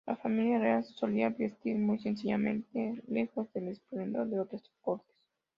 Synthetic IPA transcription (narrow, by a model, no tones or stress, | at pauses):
lʔafamiljarealsoliaβest̪iɾmujsens̬iʝamẽ̞nt̪ele̞xo̞zðelespɾend̪oɾðeot̪ɾoskoɾt̪e̥s